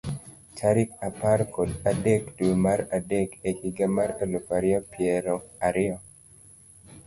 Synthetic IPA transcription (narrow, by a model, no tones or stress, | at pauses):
taɾikaparkodadekdumaɾadekehiɡamaɾalopaɾɪɔpjɛɾɔaɾɪɔ